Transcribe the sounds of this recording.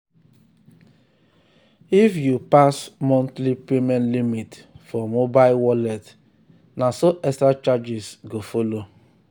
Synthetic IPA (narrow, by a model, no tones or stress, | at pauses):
ifjupasmɔ̃ntlipemɛ̃ntlimitfɔmobaɪlwɔlɛt | nasoʔɛkstɾat͡ʃad͡ʒisɡofolo